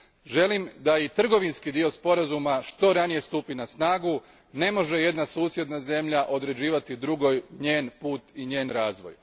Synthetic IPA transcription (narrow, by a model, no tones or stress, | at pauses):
ʒe̞limd̪ait̪r̩ɡo̞ʋinskid̪io̞spo̞ɾazumaʃt̪o̞ɾanije̞st̪upinasnaːɡu | ne̞mo̞ʒe̞je̞d̪nasuːsje̞d̪naze̞mʎaʔo̞d̪ɾe̞d͡ʑiːʋat̪id̪ɾuɡojɲe̞ːnpuːt̪iɲe̞ːnɾaːzʋo̞̰j